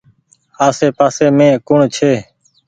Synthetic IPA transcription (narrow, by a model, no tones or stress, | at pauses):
aːseːpaːseːmẽːkʊɳt͡ʃʰeː